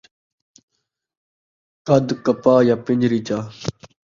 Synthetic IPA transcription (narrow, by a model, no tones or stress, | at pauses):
kɐd̪kɐpaːjaːpiɲd͡ʑɾit͡ɕaː